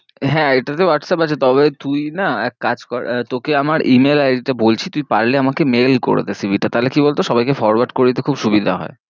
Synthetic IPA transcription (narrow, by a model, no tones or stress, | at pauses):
ɦɛ̃eʈat̪̬owaʈsɛpat͡ɕʰet̪ɔβet̪ujnaɛkːad͡ʑkɔt̪okeamaɾimelaiʈabolt͡ɕʰit̪ujpaɾleamakemelko̰ɾḛt̪esibʱiʈat̪aɦlekibolt̪oʃɔbajkefɔɾwaɖkoɾeit̪ekʰubʃubid̪ʱa̰ɦɔ̰e